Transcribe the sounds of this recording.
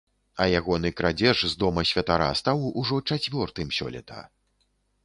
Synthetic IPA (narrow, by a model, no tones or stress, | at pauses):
ɐjaɣɔnɨkɾad͡zʲɛʐzd̪ɔmɐsʲvʲɐt̪aɾa̰st̪awuʐɔt͡ʂat͡sʲvʲɔrt̪ɨmsʲɔ̰lʲɛ̰t̪ʰɐ̰